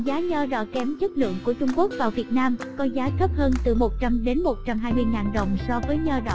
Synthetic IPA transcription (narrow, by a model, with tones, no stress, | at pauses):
zaː˨˦ɲɔː˧ɗɔ̰ː˧˨kɛ˨˦mt͡ɕə˦˥k̚lɨ̰˧˨əŋku˧˩ət͡ɕʊ˧ŋ͡mku˦˥ək̚vaː˨˩wvi˨˩ət̚naː˧mkɔ˨˦zaː˨˦t̪ʰə˦˥p̚həː˧nt̪ɨ˨˩mo˨˩t̚t͡ɕa˧mɗe˨˦nmo˨˩t̚t͡ɕa˧mɦaː˧jmɨ˧əjŋaː˨˩nɗə̰˧˨wŋ͡msɔ˧vəː˨˦jɲɔ˧ɗɔ̰˧˨